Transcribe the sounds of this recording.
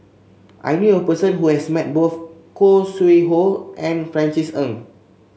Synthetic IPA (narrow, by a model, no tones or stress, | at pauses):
ʔa̰jnjuəpəsə̃nɦuhɛsmɛt̚boθ | kosiɦoʔɛ̃nfɹɛ̃nt͡ʃisə̃n